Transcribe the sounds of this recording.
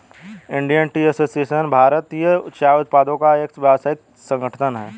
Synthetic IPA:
ɪ̃ɳɖijənʈiəsoːsieːʃənbʱaːɾət̪ijəʊʃaːʊt̪̚paːd̪õkaeksʋjɛʋsaːɪt̪̚ | sə̃ŋɡəʈʰʈʰənɦɛː

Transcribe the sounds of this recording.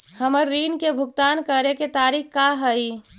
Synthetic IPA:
həməɾːiːnkebʱʊɡt̪aːnkəɾeket̪aːɾikkaɦəi

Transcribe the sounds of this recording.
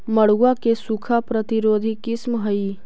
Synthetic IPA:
məɽ̤uakesukʰapɾət̪ɪɾoːd̪ʱikɪsmɦəi

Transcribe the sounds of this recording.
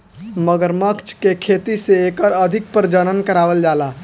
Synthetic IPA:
məɡəɾməkt͡ʃʰkekʰet̪iseekəɾəd̪ʱɪk̚pəɾd͡ʒənənkəɾaʋəld͡ʒala

